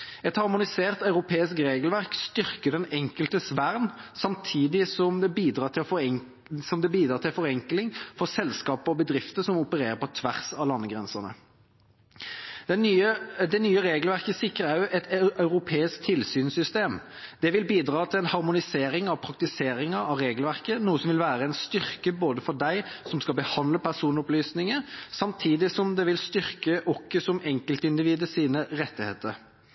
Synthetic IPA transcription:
ɛt̪hɑʁmʊnɪseːʁt̪ɑʉʁʊpʰeːɪskʁeːɡəlʋæʁkst̪ʏʁkəd̪ɛnɛŋkəlt̪əsʋæʁnsɑmt̪ʰiːd̪ɪsɔmd̪ɛbiːd̪ʁɑːt̪ʰɪlf | sɔmd̪ɛbiːd̪ɾɑːʁt̪ʰɪlfɔʁɛŋklɪŋfɔʁsɛlskɑːpəɔbəd̪ʁɪft̪əsɔmʊpəɾeːʁəpɔt̪ʰʋæʁsɑlɑnːəɡʁɛnsəʁnə̰ | ɛyəd̪ɛnyːəʁeːɡəlʋæʁkəsɪkːəʁæɛt̪ʰʔɑʉʁʊpʰeːɪsk̚t̪ʰɪlsyːnsʏst̪eːm | d̪̥ɛʋɪlbiːd̪ʁɑːt̪ʰɪlɛnhɑʁmʊnɪseːɾɪŋɑʋpʰɾɑk̚t̪ɪseːɾɪŋəɑʋɾeːɡəlʋæʁkənuːəsɔmʋɪlʋæːʁəɛɪnst̪ʏʁkəboːd̪əfɔʁd̪æɪsɔmskɑbəhɑnd̪ləpʰæʁsuːnʊplyːsnɪŋəsɑmt̪ʰiːd̪ɪsɔmd̪ɛʋɪlst̪ʏʁkəʔɔkːəsɔmɛŋkəlt̪əɪnd̪ɪʋiːd̪əsiːnəʁɛt̪ːɪhḛːt̪əɾ

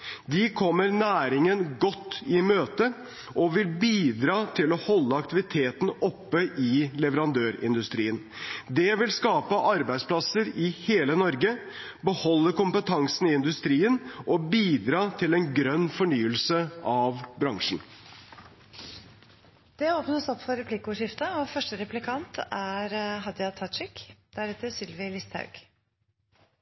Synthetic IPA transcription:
d̪ɪkʰɔmːəɾnæːɾɪŋənɡɔt̪ːɪmøːt̪ə | ʔɔʋɪlbiːd̪ɾɑːt̪ʰɪlɔhɔlːəɑk̚t̪ɪʋɪt̪ʰeːt̪n̩ɔpːəʔɪlɛʋəɾɑnd̪øːɾɪ̰nd̪ʉst̪ɾiːən | d̪ɛʋɪlskɑːpəʔɑɾbæɪspʰlɑsəɾɪheːlənɔɾɡə | bəhɔlːəkʊmpət̪ʰɑŋsn̩ɪɪnd̪ʉst̪ɾiːənʔɔbiːd̪ɾɑːt̪ʰɪlɛnɡɾœnːfɔɳyːəlsəɑʋbɾɑŋʂn̩ | d̪̥ɛoːpnəsɔpːfɔɾɛpʰlɪkəʊːʂɪft̪əɔfœʂʈəɾɛplɪkʰɑnt̪æɾɦɑd̪ɑt̪ʰɑʂɪkd̪̥æɾɛːt̪əsɪlʋəlɪst̪hɑ̰ʉɡ̥

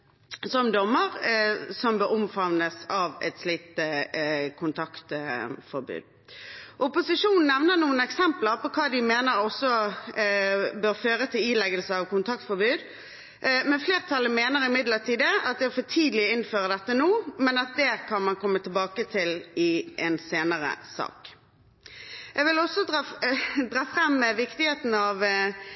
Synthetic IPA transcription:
sɔmd̪ɔmːəʁsɔmbøːɾʊmfɑʋnəsɑːʋɛ̰t̪sliːt̪ | kʰʊnt̪ʰɑkt̪fɔɾbʉ̰ːd̪ | ʔʊpʊsɪʂuːnn̩ːɛʋnəʁnuːənɛksɛmpləʁpɔkʰɑːd̪ɪmeːnəɾɔsːɔ | bøːʁføːʁət̪ʰɪlilɛɡəlsəɑʋkʊnt̪ʰɑk̚t̪fɔɾbʉːd̪ | mɛfleːʁt̪ʰɑlːəmeːnəʁɪmɪd̪ləʁt̪ʰiːd̪əɑt̪̚d̪ɛfɔt̪ʰiːd̪lɪɪnføːʁəd̪ɛt̪ːənoːmɛnɑt̪̚d̪ɛkʰɑnmɑnkʰɔmːət̪ʰɪlbɑːkət̪ʰɪlɪʔɛnseːnəʁə̰sɑ̰ːk | ʔɛɡʋɪlɔsːɔ | d̪ʁɑːfʁɛmːʋɪkt̪ɪheːt̪n̩ɑʋ

